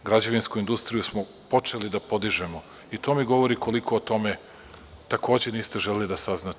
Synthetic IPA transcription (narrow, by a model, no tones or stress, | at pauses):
ɡɾad͡ʑaʋinskuind̪ust̪ɾijusmo | po̞t͡ʂe̞lid̪apo̞d̪iʒe̞mo | it̪o̞ːmiɡo̞ʋo̞ɾiko̞likʰo̞ːt̪o̞me̞ | t̪ako̞ːd͡ʑe̞niːst̪e̞ʒelelid̪asaznat̪